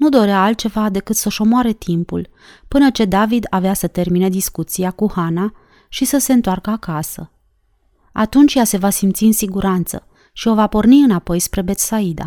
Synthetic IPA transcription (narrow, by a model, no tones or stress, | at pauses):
nud̪o̞ɾeaːlt̪̚t͡ʃe̞vad̪e̞kɨt̪səʃo̞moaɾe̞t̪ʰimpṵl | pɨnət͡ʃe̞d̪avid̪aveasət̪e̞rmine̞d̪iskut̪siakuhana | ʃisəse̞ɨnt̪oarkəakasə̰ | a̰t̪unt͡ʃʲjase̞vasimt̪siɨnsiɡuɾant̪sə̰ | ʃio̞vapo̞rniɨnapo̞jspɾe̞be̞t̪said̪a̰